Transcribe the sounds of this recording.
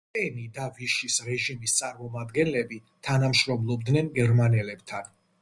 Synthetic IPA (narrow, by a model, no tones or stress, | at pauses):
ɛnid̪aviʃisɾɛʒimist̪sʼaɾmɔmad̪ɡɛnlɛbit̪ʰanamʃɾɔmlˠɔb̚d̪nɛnɡɛɾmanɛlɛbt̪ʰan